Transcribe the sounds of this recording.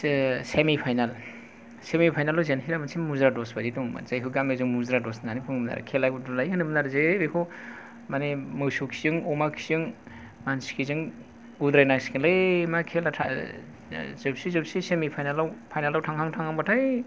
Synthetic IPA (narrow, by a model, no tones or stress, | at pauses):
semipʰajnal | semipʰajnalawzenɦiɾamansʰimuzɾadɔsbaditɔŋma̰z̥ajɦuɡamezɯŋmuzɾadɔsnanipʰɯŋmna̰ɾa̰kʰelajbudalajkanɯmɯnaɾɯzejbejkʰu | manemɯwsukʰizɯŋɔmakʰijɯŋ | manskʰizɯŋ | ud̪ɾajnakskʰinlɯmakʰelatʰa | zɯp̚sizɯbsisemipʰajnalawpʰajnalawtʰaŋhʰaŋtʰaŋaŋbatʰaj